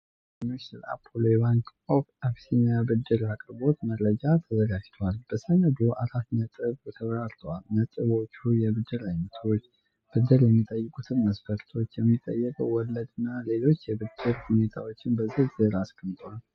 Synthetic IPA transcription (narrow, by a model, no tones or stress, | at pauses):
mesəla̰pʰolojβaŋk | opafsinabɨd̪ːɨɾakʼɨɾbo̞t̪məɾəd͡ʒat̪ʰəzəɡad͡ʒt̪ʰoalb̥əsənəd̪uʔaɾat̪nət̪ʼɨβt̪ʰəβɾaɾt̪ʰəwalnət̪ʼɨβo̞t͡ʃːujɛβɨd̪ːɨɾajnət̪ʰo̞t͡ʃː | b̥ɨd̪ːɨɾjɛmːit̪ʼəjːɨkʼut̪ʰɨnməsfəɾt̪ʰo̞t͡ʃːjɛmːit̪ʼːəjːəkʼəwwɔlːəd̪ɨnːale̞lo̞t͡ʃːjɛbɨd̪ːɨɾhune̞t̪ʰa̰wo̞t͡ʃːɪnbəzihzəɾaskʰʼəmt̪ʰʼwal